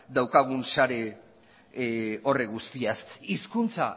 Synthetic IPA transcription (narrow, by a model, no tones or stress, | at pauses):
d̪awkaɣ̞unsaɾe̞ | o̞reɣust̪iasiskunt͡sa̰